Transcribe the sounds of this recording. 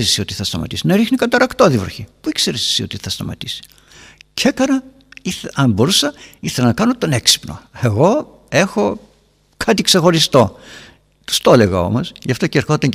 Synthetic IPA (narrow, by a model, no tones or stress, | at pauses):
sio̞t̪iθɐst̪ɐmɐ̰t̪isinɐɾixnikɐt̪ɐɾɐkt̪oðivɾoçipuikseɾesi̥sio̞̰t̪iθɐst̪ɐmɐ̰t̪isi̥ | cʰekɐɾɐ | iɐmbo̞ɾusɐiθelɐnɐkɐno̞t̪o̞ne̞ksi̥pno̞̰e̞ɣo̞ | e̞xo̞ | kʰɐt̪ikse̞xo̞ɾist̪o̞ | t̪u̥st̪o̞le̞ɣɐo̞mo̞sʝɐft̪o̞ceɾxo̞t̪ɐɲ